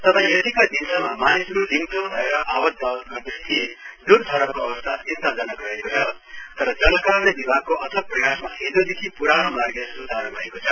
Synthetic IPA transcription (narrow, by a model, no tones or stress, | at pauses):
t̪ʌbʰʱãjʌt̪ikad̪insʌmamanisʌɾulimt̪onbʱʌeɾʌʔawʌd̪b̪ʱʌɡʌrd̪est̪ʰied̪urd̪ʱʌɾʌkoʌbʌst̪ʰat̪int̪ad͡zʌnʌɡʌekot͡sʰʌt̪ʌɾʌd͡zʌnʌkaɾnebibʱakoʔʌt̪ʰʌk̚prʌjasma̰ɦed̪od̪ekʰipuɾaɽ̃omarɡʌsut̪aɾobʱʌekot͡sʰʌ